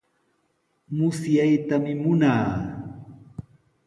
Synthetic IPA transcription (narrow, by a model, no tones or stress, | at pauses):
mʊsjajt̪amɪmʊnaː